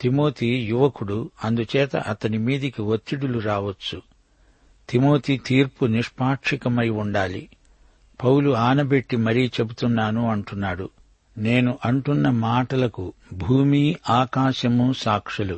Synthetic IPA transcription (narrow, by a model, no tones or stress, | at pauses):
t̪imo̞ːt̪ʰiːjuʋɐkuɽuɐnd̪ut͡ʃɛːt̪ɐ̰ʔɐt̪ɐnimiːd̪ɐkiʋot̪ːiɽuluɾaːʋɐt͡ʃːu | t̪imo̞ːt̪iːt̪iːɾpuniʂpaːkʂikɐmɐjuɳɖaːlḭ | pɐwluaːnɐbe̞ʈːimɐɾit͡ʃe̞but̪unːaːnuɐɳʈunːaːɽu | ne̞ːnuʔɐɳʈunːɐmaːʈɐlɐkubʱuːmiːʔaːkaːʃɐmusaːkʂɐlu